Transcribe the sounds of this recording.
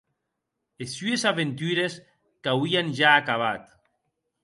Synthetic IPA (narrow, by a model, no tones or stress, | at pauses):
esyesaβent̪yɾes | kawianʒaːkaβ̞at̪